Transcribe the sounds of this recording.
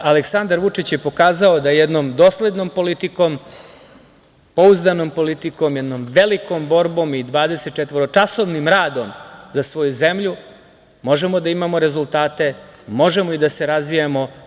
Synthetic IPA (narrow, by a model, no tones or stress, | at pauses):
aleksand̪aɾʋut͡ʂit͡ɕjepo̞kaːzaod̪ajed̪nomd̪oːsle̞d̪nompo̞lit̪iko̞m | po̞uzd̪anompo̞lit̪ikomjed̪nomʋeliko̞mbo̞ɾbo̞mid̪ʋaːd̪e̞set̪̚t͡ʃet̪ʋoɾot͡ʂaso̞ʋnimɾaːd̪omzasʋo̞juze̞mʎu | mo̞ʒe̞mo̞d̪aimamo̞ɾe̞zulˠt̪aːt̪e̞mo̞ʒe̞moid̪ase̞ɾazʋijamo̞